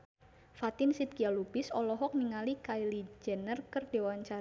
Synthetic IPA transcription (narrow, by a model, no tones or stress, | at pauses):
fat̪ɪmsit̪̚kialubɪsɔlɔɦɔk̚niŋalikailid͡ʒɛ̤nərkərd̥ewaɲt͡ʃa